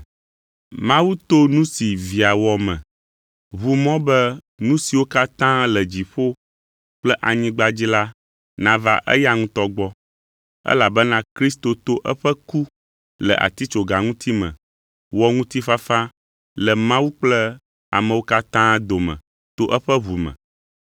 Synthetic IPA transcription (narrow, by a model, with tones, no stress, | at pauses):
mã˦wu˦t̪o˦nũ˦si˨vi˨a˨wɔ˨mɛ̰̃˨ | βu˦mɔ̃˦bɛ˦ | nũ˦si˨wo˦ka˦t̪ã˦lə˨d͡ʑi˨ɸo˦ | k͡plɛ˦ʔa˨ɲĩ˦ɡ͡ba˦d͡ʑi˦la˦ | nã˨va̰˦ʔɛ̰˦ja˦ŋũ˦t̪ɔ˦ɡ͡bɔ˦ | ɛ̰˦la˨bɛ˦nã˦kɾi˦s̬t̪o˨t̪o˦ʔɛ˦ɸə˦ku˦ | lə̰˨ʔa̰˨t̪i˦t͡ʃo˨ɡa˨ŋũ˦t̪i˦mɛ̰̃˨ | wɔ˨ŋũ˦t̪i˦fa˦fã˦ | lə˨mã˦wu˦k͡plɛ˦ | a̰˨mɛ̃˨wo˦ka˦t̪ã˦d̪o˨mɛ̰̃˨ | t̪o˦ʔɛ˦ɸə˦βu˨mɛ̰̃˨